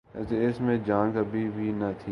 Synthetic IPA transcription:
teɪsmẽd͡ʒãːnkəbʱibʱinɐt̪ʰi

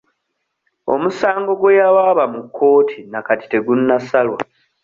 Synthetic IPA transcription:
o̞̰musaːŋɡo̞ɡwejawaːβamukʰːo̞ːtʰinakati̥te̞ɡunːasalwa̰

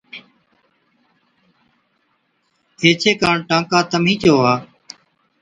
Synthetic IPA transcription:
ɦeːt͡ʃʰeːkaːɳʈãːkaːt̪əmĩːt͡ʃoːɦaː

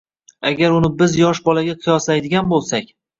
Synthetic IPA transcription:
aɡʲaɾʊnɪbɪzjɒʃbɒlaɡʲaqʰɨjɒslajd̪ɪɡʲanbolˠsakʲ

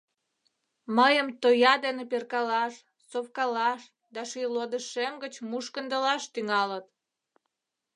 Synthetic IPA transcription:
məjəmt̪ojɑd̪eneperkɑlɑʃ | sofkɑlɑʃ | d̪ɑʃilod̪əʃemɡət͡ɕmuʃkənd̪əlɑʃt̪yŋɑlət̪̚

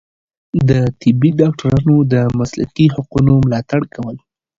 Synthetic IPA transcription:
d̪ət̪ɪbːiɖɑk̚ʈaɾɑnod̪əmasla̰qiɦaqunomlɑt̪aɽkawəl

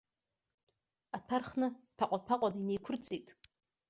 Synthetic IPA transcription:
atʰarχnɨpʰaqʷʼapʰaqʷʼadainejkʷʰʊrt͡sʼejtʼ

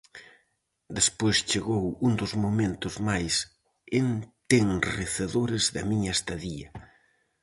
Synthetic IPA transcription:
d̪espojst͡ʃeɣowund̪ʊzmomẽnt̪ʊzmajs | ent̪eŋreθeðoɾɪzðɐmiɲɐest̪aðiɐ

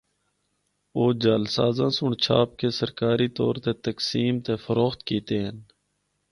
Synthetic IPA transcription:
oːd͡ʒaːlsaːzãːsʊɳt͡ʃʰaːp̚keːsəɾkaːɾiːt̪o̰ːɾt̪eːt̪əksiːmt̪eːfəɾoːxt̪kiːt̪eːɦən

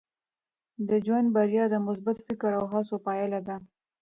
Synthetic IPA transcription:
d̪əd͡ʒwand̪̚baɾjɑd̪əmʊsbat̪fɪkɾawɦasopɑjalad̪a

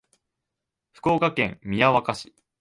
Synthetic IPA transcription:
ɸɯ̟̥ko̞ːkakẽ̞̰mmːʲijaβakaɕi̥

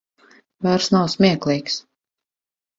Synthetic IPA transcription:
vaɾsnawsmʲiɛklˠijks

